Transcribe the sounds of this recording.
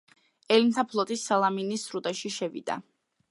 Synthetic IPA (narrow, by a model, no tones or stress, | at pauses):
ɛlint̪ʰapʰlˠɔt̪ʼisːalˠaminisɾut̪ʼaʃiʃɛvḭd̪̥a̰